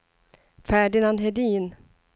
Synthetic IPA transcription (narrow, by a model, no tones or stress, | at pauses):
fæːɖɪnanɦɛd̪iːn